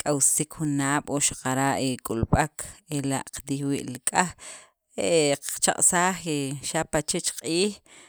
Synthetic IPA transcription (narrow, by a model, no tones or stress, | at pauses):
kʼawsikxunaːɓ̥oʃḁqaɾaʔekʼulɓakʰela̰ʔqt̪ixwiːʔlikʼax | eʔqt͡ʃa̰qʼsaːχeʃapat͡ʃet͡ʃqʼiːx